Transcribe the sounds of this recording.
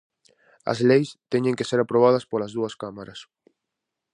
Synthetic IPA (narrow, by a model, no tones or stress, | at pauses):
ɐ̰zlejst̪ɛɲeŋkeseɾapɾoβ̞aðɐspolɐzðuɐskamaɾɐs